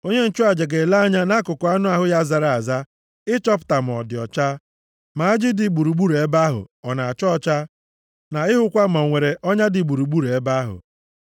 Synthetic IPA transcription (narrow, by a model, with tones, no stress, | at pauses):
o˦ɲe˦n̩˦t͡ʃʊ˦a˨d͡ʒe˨ɡe˨la˦a˦ɲa˦na˦kʊ˨kʊ˨a˦nʊ˦a˨ɦʊ˦ja˦˨za˨ɾa˨a˨za˦ | ɪ˦t͡ʃɔ˦pʊ̥˨ta˨m̩˨ɔ̰˨dɪ˨ɔ̰˨t͡ʃa˦ | ma˨a˦d͡ʒɪ˦dɪ˨ɡ͡bu˨ɾu˨ɡ͡bu˦ɾe˨˦ba˦ɦʊ̰˨ɔ˨na˨a˨t͡ʃɔ˦t͡ʃa˦ | na˨ɪ˦ɦʊ˦kʷa˦m̩˨ɔ˨ŋʷe˨ɾe˨ʔɔ˦ɲa˦dɪ˨ɡ͡bu˨ɾu˨ɡ͡bu˦ɾe˨e˦ba˦ɦʊ̰˨